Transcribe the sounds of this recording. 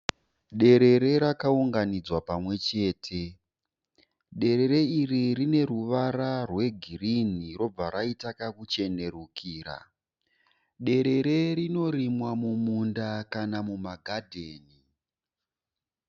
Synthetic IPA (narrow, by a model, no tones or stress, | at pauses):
ɗe̞ɾe̞ɾe̞ɾakauŋɡanid͡zwapamwe̞t͡ʃe̞ːtʰe̞ | ɗe̞ɾe̞ɾe̞iririne̞ɾuʋaɾarwe̞ɡʱiriniro̞b͡vaɾaitakakut͡ʃe̞ne̞ɾukʰiːɾa̰ | ɗe̞ɾe̞ɾe̞ɾino̞ɾimwamumundakanamumaɡʱadʱeːni